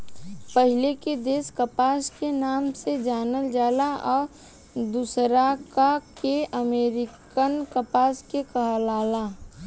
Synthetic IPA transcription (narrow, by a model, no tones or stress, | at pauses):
pəɦɪleked̪eːskəpaːskenaːmsed͡ʒaːnəld͡ʒaːlaʔɔːɾ | d̪usɾakakeəmeːɾɪkənkəpaːskekəɦəlaːlaː